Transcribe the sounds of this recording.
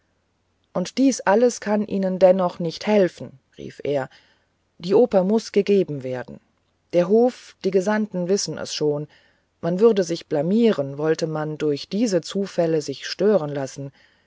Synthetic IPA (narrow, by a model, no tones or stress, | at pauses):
ʔʊntd̥iːsʔaləskʰanʔiːnəndɛnɔχnɪçthɛlfn̩ | ʁḭːfʔeːɐ | d̥iːʔoːpɐmʊsɡ̥əɡeːbm̩veːɐdn̩ | d̥eːɐɦoːfd̥iːɡəzantn̩vɪsn̩ʔɛ̰sʃoːn | manvʏʁɐdəzɪçb̥lamiːʁənvɔltəmandʊɐçd̥iːzət͡suːfɛləzɪçʃtøːʁənlasn̩